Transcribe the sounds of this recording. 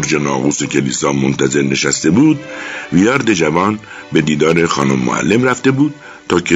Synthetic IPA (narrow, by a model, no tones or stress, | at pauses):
ɾd͡ʒenɒːɣuːsecʰelḭːsɒːmont̪æze̞ɾne̞ʃæst̪e̞buːd̪̚vijɒːɾd̪e̞d͡ʒævɒːn | be̞d̪iːd̪ɒːɾe̞xɒːnomːo̰ʔæ̰lːe̞mɾæft̪e̞buːd̪̥̚ | t̪ʰɒːcʰe